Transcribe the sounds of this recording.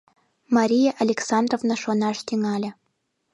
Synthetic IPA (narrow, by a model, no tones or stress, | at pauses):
maɾʲijaʔɐlʲeksɑnd̪rovnaʃonɑʂt̪ʲiŋɑlʲɘ̆